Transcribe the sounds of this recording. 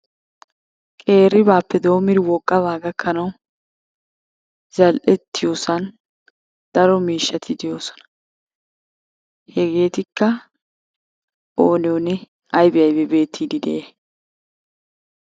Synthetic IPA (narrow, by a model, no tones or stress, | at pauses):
kʼe̞ːɾɪbaːpːɛd̪o̞ːmɪd̪ɪwɔkʼːɐβaːɡɐkʰːɐnɐw | zɐlʔɛt̪ːɪjoːsɐn | d̪̥ɐɾɔmiːʃːɐt̪ʰɪd̪ɛjo̞ːsɔ̥nɐ̥ | hɛɡe̞ːt̪ɪkːɐ | oːnɪjɔnɪ | ɐjbɪjɐjbɛbe̞ːt̪ʰːiːd̪ɪd̪ɛ̰ʔeː